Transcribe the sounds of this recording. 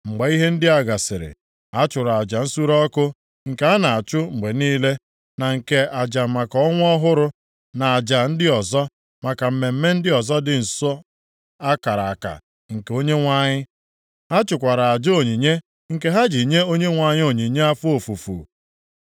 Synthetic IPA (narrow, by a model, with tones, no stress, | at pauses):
ŋ͡m̩˨ɡ͡ba˨i˦ɦe˦n̩˦dɪ˦a˨ɡa˨sɪ˨ɾɪ̰˨ | a˦t͡ʃʊ˨ɾa˨a˨d͡ʒa˨n̩˦su˦ɾɔ˦kʊ˦ | ŋ̩˨ke˨˦a˦na˨a˨t͡ʃʊ˦ŋ͡m̩˨ɡ͡be˨niː˦le˦ | na˨ŋ̩˨ke˨a˨d͡ʒa˨ma˨kɔɔ˦ŋʷ˦ɔ˦ɦʊ˦ɾʊ˦ | na˨a˨d͡ʒa˨n̩˦dɪ˦ɔ˨zɔ˦ | ma˨ka˨m̩˦˨me˨m̩˦me˦n̩˦dɪ˦ɔ˨zɔ˦dɪ˨n̩˨sɔ˦ | a˦ka˨ɾa˨a˨ka̰˨ | ŋ̩˨ke˨o˦ɲe˦ŋʷa˦ɲɪ˦ | ɦa˦t͡ʃʊ˨kʷa˨ɾa˨a˨d͡ʒo˨ɲi˨ɲe˦ | ŋ̩˨ke˦ɦa˦d͡ʒi˨ɲe˦o˦ɲe˦ŋʷa˨ɲɪ˦o˨ɲi˨ɲe˦a˦fʊ˦o˨fu˨fṵ˨